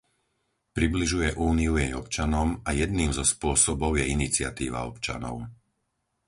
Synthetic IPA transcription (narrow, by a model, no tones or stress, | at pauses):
pɾibliʒujɛʔuːniujɛjɔpt͡ʃanɔmajɛd̪̚niːmzɔspʊɔsɔbɔʊjɛinit͡sɪat̪iːʋa̰ɔpt͡ʃa̰nɔ̰ʊ